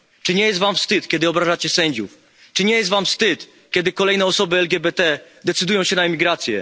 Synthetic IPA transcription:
t͡ʂɨɲɛjɛst̪vamfst̪ɘt̪kʲɛd̪ɘɔbɾaʐat͡ɕɛsɛɲd͡ʑuf | t͡ʂɘɲɛjɛst̪vamfst̪ɘt̪ | kʲɛd̪ɘkɔlɛjnɛɔsɔbɘɛlɡʲɛbɛt̪ɛd̪ɛt̪sɘd̪ujɔ̃w̃ɕɛnaɛmʲiɡɾat̪sʲjɛ̰

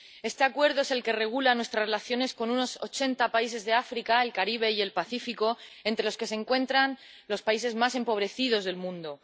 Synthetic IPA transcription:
e̞st̪e̞akwe̞ɾð̞oese̞lke̞re̞ɣ̞ulanwe̞st̪ɾarelaθjo̞ne̞sko̞nuno̞so̞̰t͡ʃe̞nt̪apais̬e̞zðe̞afɾikae̞lkaɾiβ̞e̞ie̞lpaθifiko̞e̞nt̪ɾe̞loske̞se̞ŋkwe̞nt̪ɾan | lo̞spaise̞zmase̞mpo̞β̞ɾe̞θiðo̞zðe̞lmũnd̪o̞

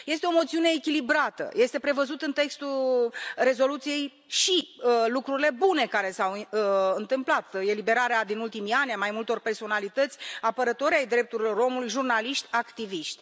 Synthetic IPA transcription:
je̞st̪eo̞mo̞t̪siune̞ːkʲilibɾat̪ə̰je̞st̪e̞pɾe̞vəzut̪ɨnt̪e̞kst̪ulre̞zo̞lut̪sije̞j | ʃilukɾuɾile̞bune̞kaɾe̞sawɨnt̪ɨmplat̪e̞libe̞ɾaɾead̪inult̪imianʲamajmult̪o̞rpe̞rso̞nalit̪ət̪sʲapəɾət̪o̞ɾʲajd̪ɾe̞p̚t̪uɾilo̞ɾo̞mulujʒurnaliʃt̪ʲakt̪iviʃt̪ʲ

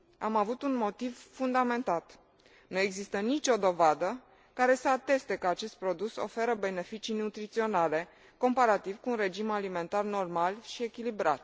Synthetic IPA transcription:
amavut̪unmo̞t̪ivfund̪ame̞nt̪at̪ | nue̞ɡzist̪ənit͡ʃʲo̞d̪o̞vad̪ə | kaɾe̞səat̪e̞st̪e̞kəat͡ʃe̞st̪̚pɾo̞d̪uso̞̰fe̞ɾəbe̞ne̞fit͡ʃinut̪ɾit̪sio̞nale̞ | ko̞mpaɾat̪ivkuːnre̞d͡ʒimalime̞nt̪arno̞rmalʃie̞kʲilibɾa̰t̪̚

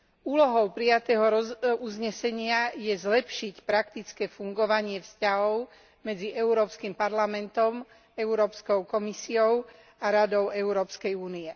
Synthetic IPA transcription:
uːlɔɦɔʊpɾijat̪ɛːɦɔɾɔuzɲɛsɛɲɪajɛzlɛpʃicpɾakt̪it͡skɛːfuŋɡɔʋaɲɪɛfscaɦɔʊ | mɛd͡ziʔɛuɾɔːpskimpaɾlamɛnt̪ɔm | ɛuɾɔːpskɔʊkɔmisiɔʊ | aɾad̪ɔʊɛuɾɔːpskɛjuːniɛ

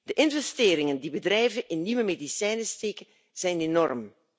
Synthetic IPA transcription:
d̥əʔɪnvɛsteːɾɪŋəndibədrɛjvənʔɪnːiwəmedisɛjnəsteːkə | z̥ɛjnenɔrm

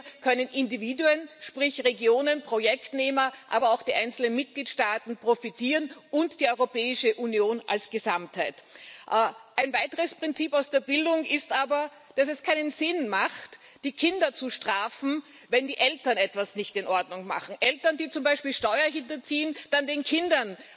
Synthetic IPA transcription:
kʰœnənʔɪndiviːduənʃpʁɪçʁeɡjoːnənpʁ̥ojɛktneːmɐʔa̰ːbɐaʊxd̥iːʔaɪnt͡sl̩nənmɪt̚ɡ̥liːtʃtaːtn̩pʁ̥ofitiːʁənʔʊntd̥iːɔʏʁopɛːɪʃəʔunjoːnʔa̰lsɡ̥əzamthaɪtʔʔaɪnvaɪtəʁəspʁ̥ɪnt͡siːpaʊsd̥eːɐbɪldʊŋɪstʔaːbɐ | d̥asɛskʰaɪnənzɪnmaχt | d̥iːkʰɪndɐt͡suʃtʁ̥aːfn̩ | vɛndiːʔɛltɐnɛtv̥asnɪçtɪnʔɔɐdnʊŋma̰χn̩ʔɛltɐndiːt͡sʊmbaɪʃpiːlʃtɔʏɐɦɪntɐt͡siːənd̥andeːnkʰɪndɐn

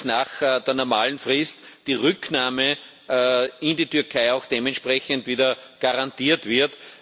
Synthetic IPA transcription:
naːxd̥eːɐnɔɐmaːln̩fʁɪstd̥iːʁʏknaːmə | ɪnditʏɐkʰaɪɑʊxd̥eːmɛntʃpʁɛçəntviːdɐɡ̥aʁantiːɐtv̥ɪɐt

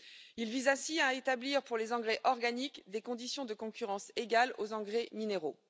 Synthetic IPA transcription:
ilvizɛ̃siaet̪abliʁpuʁlezɑ̃ɡʁɛʔɔʁɡanikd̪ekɔ̃d̪isjɔ̃d̪əkɔ̃kʲyʁɑ̃seɡalozɑ̃ɡʁemineʁo

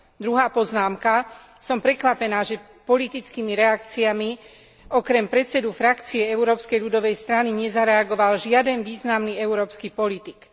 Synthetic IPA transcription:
d̪ɾuɦaːpɔznaːmka | sɔmpɾɛkʋapɛnaːʒɛ | pɔlit̪it͡skiːmiɾɛakt͡siami | ɔkɾɛmpɾɛt̪t͡sɛd̪ufɾakt͡siɛɛuɾɔːpskɛjʎud̪ɔʋɛjst̪ɾaniɲɛzaɾɛaɡɔʋalʒɪad̪ɛnʋiːznamniɛuɾɔːpskiːpɔlit̪ik

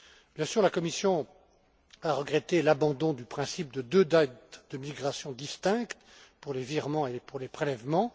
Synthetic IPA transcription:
b̥jɛ̃syʁlakɔmisjɔ̃ | aʁəɡʁet̪elabɑ̃d̪ɔ̃d̪ypχɛ̃sip̚d̪əd̪ød̪at̪̚d̪əmiɡʁasjɔ̃d̪ist̪ɛ̃kt̪puʁleviʁmɑ̃epuʁlepχelɛvmɑ̃

